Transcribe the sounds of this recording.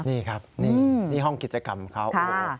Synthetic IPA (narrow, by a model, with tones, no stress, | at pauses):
niː˥˩kʰa˦˥p̚niː˥˩niː˥˩ɦɔ˥˩ŋki˨˩t͡ɕa˧ka˨˩mkʰa˦˥wʔkʰa˥˩˥